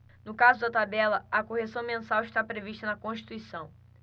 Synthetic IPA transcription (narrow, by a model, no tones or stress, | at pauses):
nʊkazʊd̪ɐt̪abɛlɐɐkohesɐ̃w̃mẽsawɪʃt̪apɾeviʃt̪ɐnɐkõʃt͡ʃi̥t̪uisɐ̃w̃